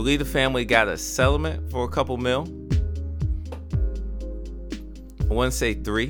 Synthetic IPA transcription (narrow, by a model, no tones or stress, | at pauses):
əlivɨfæ̃mliɡɑɾɨ̰sɛlˠəmɨ̃ntfə˞əkʰʌpl̩ˠmɪlˠ | wʌ̃nseɪθɹi